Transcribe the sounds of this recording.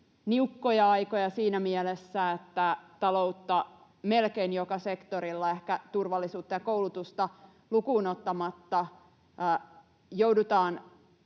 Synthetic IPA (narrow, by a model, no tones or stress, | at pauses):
niukːojɑɑjkojɑsiːnæmielesːæet̪ːæt̪ɑlo̞ut̪ːɑ | melkeinjokɑse̞kt̪oɾilːɑe̞hkæt̪urʋɑlːisuːt̪ːɑjɑkoulut̪ust̪ɑ | lukuːnot̪ːɑmɑt̪ːɑ | jowdut̪ɑːn